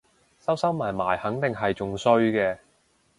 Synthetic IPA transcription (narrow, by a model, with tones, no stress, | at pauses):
sɐ˥wsɐ˥wmaː˨˩jmaː˨˩jhɐ˨˥ŋt̪ɪ˨ŋɦɐ˨jt͡sʊ˨ŋsɵ˧ɥkɛː˧